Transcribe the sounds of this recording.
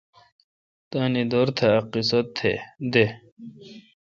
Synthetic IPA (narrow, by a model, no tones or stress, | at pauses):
t̪aːnid̪oːɾt̪ʰeɐqisɐt̪ʰːḛd̪e